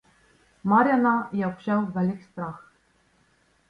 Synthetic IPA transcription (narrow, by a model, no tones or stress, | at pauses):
maɾʲjanajaɔpɕawvɛlʲɪkst̪ɾax